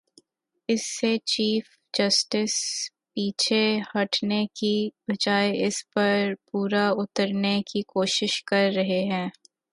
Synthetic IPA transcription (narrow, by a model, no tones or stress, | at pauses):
ɪsːet͡ʃiːf | d͡ʒɐsʈɪs | piːt͡ʃʰehɐʈnekibɐd͡ʒaːeɪspɐɾpuːɾaʊt̪əɾnekikoːʃɪʃkɐɾːɐɦeɦɛ̃ː